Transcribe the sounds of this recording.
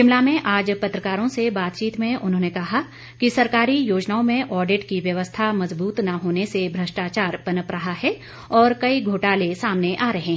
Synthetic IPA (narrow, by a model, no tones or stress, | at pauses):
kɪmlamẽʔaːd͡ʒpɐt̪ɾəkaːɾõsebaːt̪t͡ʃiːt̪mẽʊnɦõːnekɐɦa | kisɐɾkaːɾijoːd͡ʒnaːõmẽʔɔːɾɖɪʈkiʋjɐʋəst̪ʰamɐzbuːt̪naɦoːnesebʱɾɐsʈaːt͡ʃaːɾpɐnəpɾɐɦaɦɛ | ɔːɾkɐiɡʱoːʈaːlesaːmneʔaːɾɐɦɛ̃ː